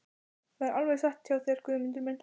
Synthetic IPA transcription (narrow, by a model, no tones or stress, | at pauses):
θɛɛɾʔalvɛɣsaht̪ʰjawθɛaɾ̥kʰvʏːðʏmɪnt̪ʏɾmɛn